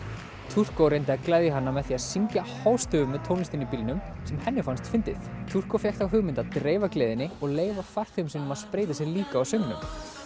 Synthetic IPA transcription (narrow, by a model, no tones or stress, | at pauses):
t̪ʰur̥kowɾejnt̪ɪaðklɛjðjɪɦanːamɛðθiaðsiɲcahaːwst̪ʏvʏmːvɛðt̪ʰownɪst̪inipiːlnʏmsɛmhɛnːɪfanst̪fɪnt̪ɪθt̪ʰur̥kofjɛxt̪awɦʏɣmɪnt̪aðt̪ɾeːjvakleːðɪnːɪɔɣleːjvafar̥t̪ʏmsɪnʏmaðspɾeːjt̪asjɛɾliːkaːwsʏmnʏ̰m